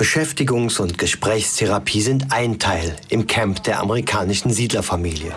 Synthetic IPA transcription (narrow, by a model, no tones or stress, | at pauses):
b̥əʃɛftɪɡʊŋsʊntɡ̥əʃpʁ̥ɛːçstʰeʁapʰiːzɪntʔaɪntʰaɪlʔɪmkʰɛmpd̥eːɐʔa̰məʁikʰaːnɪʃn̩ziːdlɐfamiːljə̰